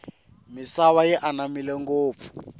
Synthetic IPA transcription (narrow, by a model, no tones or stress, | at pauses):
misaβajɛʔanamilɛŋɡoːp̪fu̥